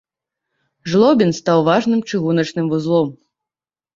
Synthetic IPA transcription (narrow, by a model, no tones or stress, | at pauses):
ʐlˠɔbʲinst̪awvaʐnɨmt͡ʂɨɣunɐt͡ʂnɨmvuzlˠɔm